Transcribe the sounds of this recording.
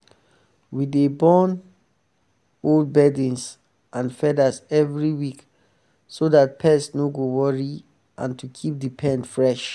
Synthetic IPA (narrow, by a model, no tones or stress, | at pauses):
widebɔ̃n | old̚bɛdĩns | ʔãnfɛdəsɛvɹiwik | soðat̚pʰɛsnoɡowɔɹi | ʔã̰ntukʰip̚dipʰɛ̃ndfɹɛʃ